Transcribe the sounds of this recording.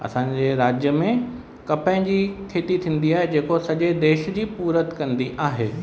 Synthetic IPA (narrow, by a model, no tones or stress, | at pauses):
ɐ̰sãːɲd͡ʑeɾaːd͡ʑjəmẽ | kɐpə̃ɪ̃d͡ʑiːkʰeːt̪it̪ʰĩːn̆d̪iaːɦed͡ʑeːkosɐʄed̪eːʃd͡ʑiːpuːɾət̪kɐ̃nd̪iʔaːɦeː